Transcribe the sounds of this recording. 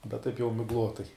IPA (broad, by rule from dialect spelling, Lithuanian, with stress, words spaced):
bʲɛt ˈtɐɪp jɛʊ mʲɪɡˈlˠoːtɐɪ